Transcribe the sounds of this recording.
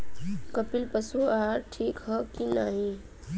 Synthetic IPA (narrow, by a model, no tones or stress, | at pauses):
kəpilpəsuaːɾʈʰiːkɦəkinaːɦĩ